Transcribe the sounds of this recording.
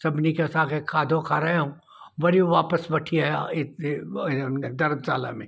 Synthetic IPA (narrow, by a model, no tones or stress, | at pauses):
sɐbnikesaːkekʰaːd̪ʱõkʰaːɾɐɦẽɦũː | ʋɐɾioʋaːpəsbɐʈʰiaaɪ | d̪ɐɾmsa̰ːla̰mḛ̃ː